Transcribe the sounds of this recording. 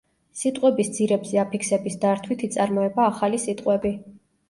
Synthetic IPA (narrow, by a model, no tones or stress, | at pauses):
sit̪ʼqʼwɛbisd̪z̥iɾɛbzɛapʰikʰsɛbisd̪aɾt̪ʰwit̪ʰit̪sʼaɾmɔɛbaːχalisit̪ʼqʼwɛbi